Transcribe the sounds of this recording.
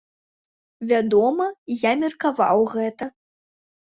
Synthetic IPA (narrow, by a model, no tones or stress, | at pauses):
vʲad̪ɔmɐjamʲɛrkava̰wɣɛt̪ɐ